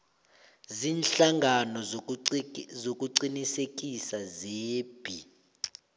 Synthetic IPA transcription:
ziːnɬaŋɡʱanɔ | zokʼuǀinisekʼisazeːb̥ʱi

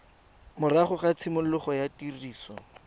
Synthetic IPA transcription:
mʊraχʊχat͡sʰɪmʊlʊχɔjatiriːsɔ

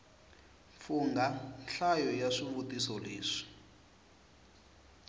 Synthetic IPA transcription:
fuŋɡanɬajɔjaʂiβutisɔleːʂi̥

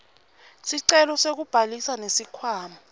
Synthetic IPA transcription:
siǀɛlɔsek̬ub̥ʱalisanesikʰwaːma

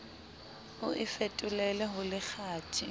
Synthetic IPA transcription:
ʊʔɪfetʼʊlɛlɛɦʊlɪk͡xʰaːtʰʼi

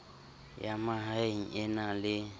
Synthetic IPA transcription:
jamaɦaŋ̩ɛnalɪ

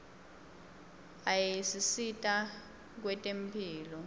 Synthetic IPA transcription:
ajisisitʼa | k̬wɛtʼempʰiːlɔ

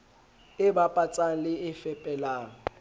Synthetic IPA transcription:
ɪbapʼat͡sʼaŋ̩lɪɪfɛpʼɛlaːŋ̩

